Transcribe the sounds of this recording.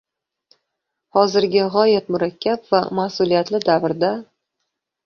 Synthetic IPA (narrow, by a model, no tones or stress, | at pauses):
hɒzɪɾɡʲaʁɒjat̪mʊɾakʲːapvamasʊlijat̪lɪd̪avɾd̪a